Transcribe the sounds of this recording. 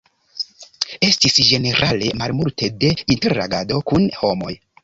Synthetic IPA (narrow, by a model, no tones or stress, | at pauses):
e̞stisd͡ʒe̞ne̞ɾʔale̞malmultʰe̞de̞inte̞ɾa̰ɡado̞kunho̞mo̞̰j